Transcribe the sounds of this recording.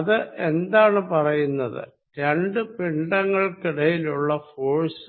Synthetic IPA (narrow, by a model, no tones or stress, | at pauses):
ɐðɨʔe̞nd̪aːɳɨpɐrɐjunːɐðɨ̰ | ɾeɳɖɨpiɳɖɐŋːɐɭkiɽɐjiluɭːɐfoːɻsɨ